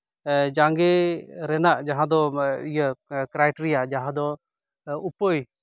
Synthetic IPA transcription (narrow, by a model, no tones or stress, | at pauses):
d͡ʒaŋɡɛɾɛnaʔd͡ʒaɦãd̪ɔijəkɾajʈɾiad͡ʒaɦãd̪ɔ | upəj